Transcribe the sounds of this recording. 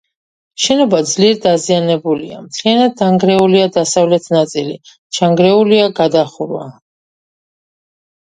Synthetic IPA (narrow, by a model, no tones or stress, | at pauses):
ʃɛnɔbad̪zliɛɾd̪azianɛbulia̰mt̪ʰlianad̪ːaŋɡɾɛuliad̪asavlɛt̪ʰnat̪sʼili | t͡ʃʰaŋɡɾɛuliaɡad̪aχuɾwa̰